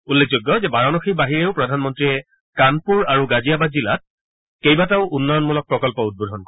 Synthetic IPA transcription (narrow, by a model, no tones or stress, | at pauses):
ulːek̚ʰzoɡːɔzɛbaɹɔnɔxibaɦiɹeʊpɹɔdʱanmɔntɹiɛ | kanpuɹaɹuɡazijabazila̰t̚ | kejbataʊʔunːɔjɔnmulɔk̚pɹɔkɔlpɔud̚bodʱɔnkɔ